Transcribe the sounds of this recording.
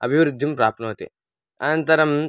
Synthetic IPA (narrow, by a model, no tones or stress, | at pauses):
ɐbʱiʋɾud̪ʱːimpɾaːp̪̚nɐɦot̪ḛ | ɐnɐnt̪ɐɾɐm